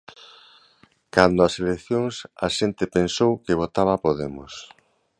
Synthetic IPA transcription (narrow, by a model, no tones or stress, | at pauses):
kand̪ʊɐselekθjoŋsɐ̰ʃent̪ɪpensowkɪβ̞ot̪aβapoðemʊs